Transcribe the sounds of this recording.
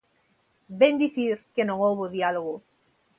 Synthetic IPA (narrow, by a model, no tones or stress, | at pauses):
bẽnd̪iθiɾkenõŋowβoðialoɣo